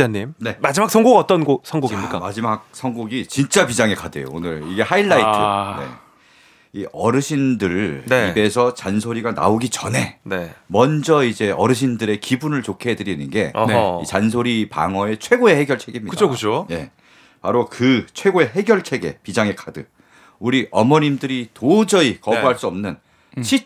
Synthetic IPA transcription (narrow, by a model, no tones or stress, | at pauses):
aɲimne̞mad͡ʑimaksʰʌŋɡoɡaʌt͈ʌnɡosʰʌŋɡoɡiik͈amad͡ʑimak̚sʰʌŋɡoɡit͡ɕint͡ɕ͈apid͡ʑaŋe̞kʰadḛjo̰onɯɾiɡe̞haiɭːaitʰɯne̞̰ | iʔʌɾɯɕʰindɯɾibe̞sʰʌt͡ɕansʰoɾiɡana̰oɡit͡ɕʌne̞nemʌnd͡ʑʌid͡ʑe̞ʌɾɯɕ̬ʰindɯɾe̞kibunɯɭt͡ɕokʰedɯɾinɯnɡe̞it͡ɕans̬ʰoɾipa̰ŋʌe̞t͡ɕʰwe̞ɡoe̞he̞ɡjʌɭt͡ɕʰe̞ɡimɲikɯokɯt͡ɕoje̞̰ | paɾokɯt͡ɕʰwe̞ɡoe̞ɦe̞ɡjʌɭt͡ɕʰe̞ɡe̞̰pid͡ʑaŋe̞kʰadɯ | uɾiʔʌmʌɲimdɯɾitod͡ʑʌikʌbuɦaɭs͈uʌmnɯn | ɕʰi